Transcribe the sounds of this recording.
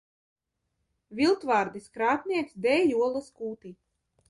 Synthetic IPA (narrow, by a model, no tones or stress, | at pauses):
vʲilˠt̪vaːɾd̪iskɾaːt̪niɛksd̪ɛːjuɔlˠaskuːt̪i